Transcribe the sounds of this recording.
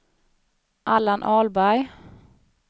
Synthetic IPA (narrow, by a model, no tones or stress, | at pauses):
ʔalanʔɑːlbæɾ